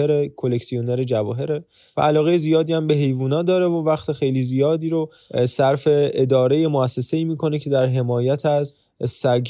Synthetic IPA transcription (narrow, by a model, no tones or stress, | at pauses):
eɾekʰo̞le̞csioneɾe̞d͡ʒævɒːɦe̞ɾe | væ̰ælɒːɣejezijɒːd̪iːæmbe̞ɦe̞jvuːnɒːd̪ɒːɾe̞vovæxt̪ʰexe̞jliːzijɒːd̪iːɾo | sæɾfe̞ed̪ɒːɾe̞je̞moæsːe̞se̞iːmiːkʰo̞ne̞cʰe̞d̪æɾɦe̞mɒːjæt̪ʰæz | sæɡ